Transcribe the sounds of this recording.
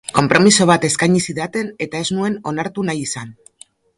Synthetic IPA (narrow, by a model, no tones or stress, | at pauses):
ko̞mpɾo̞miso̞β̞at̪e̞skajɲisiðat̪e̞ne̞t̪ae̞znue̞no̞naɾt̪unajisan